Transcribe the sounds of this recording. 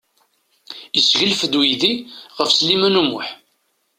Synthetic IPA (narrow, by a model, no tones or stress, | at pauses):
jəsʝəlfəd̪wiðiʁəfslimænumʊħ